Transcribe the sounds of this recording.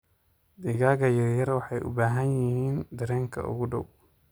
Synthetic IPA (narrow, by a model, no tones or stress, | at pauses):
d̪ɪɣaːɣɐjɐjɐrwɑħɑjʔʊ̰baːɦɐnjɪhiːnd̪ɐɾɛːŋkʰɐ̰ʔʊ̰ɣʊɖɔw